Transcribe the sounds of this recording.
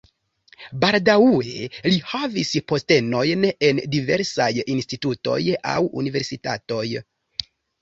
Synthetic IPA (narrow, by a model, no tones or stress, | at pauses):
baldaue̞lihavispo̞ste̞no̞jne̞ndive̞ɾsajinstituto̞̰ja̰wṵnive̞ɾsita̰to̞j